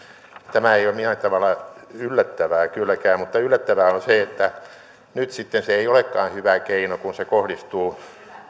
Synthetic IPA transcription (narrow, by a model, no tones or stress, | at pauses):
t̪æmæeijomminæt̪ɑʋɑlːɑylːæt̪ːæʋæːkylːˑækæːmmut̪ːɑylːæt̪ːæʋæonseet̪ːæ | nyt̪sit̪ːenseeiolekːɑːnhyʋækeinokunsekohdist̪uː